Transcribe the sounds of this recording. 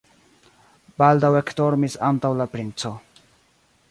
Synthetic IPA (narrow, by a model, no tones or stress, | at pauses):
bald̪awekʰt̪oɾmisant̪awlapɾint͡sʰo